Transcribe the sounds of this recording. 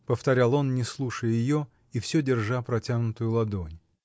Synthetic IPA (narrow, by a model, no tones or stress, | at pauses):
pəft̪ɐɾʲalˠo̞nnʲɪslˠuʂəjəjɪjo̞ | ifsʲɵdʲɪrʐapɾɐtʲaɡnʊt̪ʊjʊlˠɐd̪onʲ